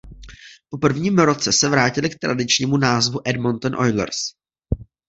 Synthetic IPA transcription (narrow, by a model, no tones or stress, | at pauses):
popr̩vɲiːmɾo̞t͡sɛsɛvɾaːcɪlɪkt̪ɾa̰dɪt͡ʃɲiːmunaːzvuʔɛdmont̪onʔo̞̰jlɛ̰ɾs